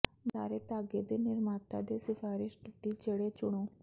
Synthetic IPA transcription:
d̪aːɾet̪aɡed̪enɪɾmat̪a̰d̪esɪfaːɾɪʃʈit̪id͡ʒeɽet͡ʃʊɽ̃õː

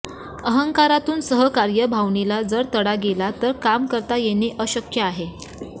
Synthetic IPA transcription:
əɦəŋkaɾat̪uːnsəɦəkaɾjəbʱaʋɳilad͡zəɾt̪əɽaɡelat̪əɾkamkəɾt̪ajeniʔəɕəkjəaɦe

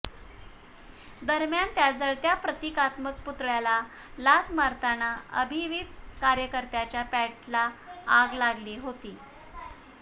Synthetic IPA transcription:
d̪əɾmjant̪jad͡zəɭt̪japɾət̪ikat̪mək̚put̪ɭjala | lat̪ʰmaɾt̪anaə̰bʱiʋid̪kaɾjəkəɾt̪jat͡ɕjapæʈlaːɡlaɡliːɦot̪iː

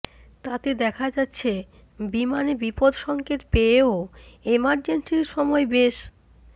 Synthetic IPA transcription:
t̪at̪ed̪ɛkʰad͡ʑatːɕʰe | bimanebipod̪ʃɔŋket̪peoemaɾd͡ʑensiɾʃɔmɔebeʃ

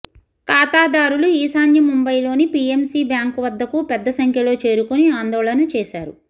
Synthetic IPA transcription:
kaːt̪aːd̪aːɾuluiːsaːnjɐmumbɐjlo̞ːnipiemsiːbjaːŋkuʋɐd̪ːɐkupɛd̪ːɐsɐŋkʰjɐlo̞ːt͡ʃe̞ːɾukuniaːnd̪ɔːɭɐnɐt͡ʃɛːʃaːɾu

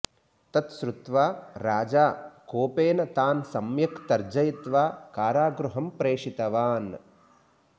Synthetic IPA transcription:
t̪ɐt̪ʃɾut̪ʋaːɾaːd͡ʒaːkoːpeːnɐt̪aːnsɐmjɐkt̪ɐɾd͡ʒɐjit̪ʋaːkaːɾaːɡɾuɦɐmpɾeːʂit̪ɐʋaːn

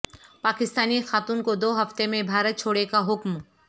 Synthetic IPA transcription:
paːkɪst̪aːnixaːt̪uːnkod̪oːɦɐft̪emẽbʱaːɾət̪̚t͡ʃʰoːɽekaɦʊkm

